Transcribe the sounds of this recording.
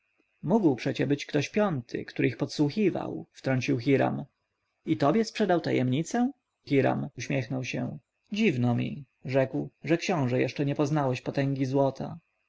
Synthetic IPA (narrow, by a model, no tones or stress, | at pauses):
muɡwpʂɛt͡ɕɛbɘt͡ɕkt̪ɔɕpʲjɔnt̪ʰɘ̰kt̪uɾɘixpɔt̪swuxiva̰wft̪ɾɔɲt͡ɕiwxiɾa̰m | it̪ɔbʲjɛspʂɛd̪awt̪ajɛ̰mɲit̪sɛ | xiɾa̰muɕmʲjɛxnɔwɕɛ̃ | d͡ʑivnɔmʲḭ | ʐɛkwʐɛkɕɔ̃w̃ʐɛjɛʂt͡ʂɛɲɛpɔznawɛɕpɔt̪ɛŋɡʲizwɔt̪ʰa̰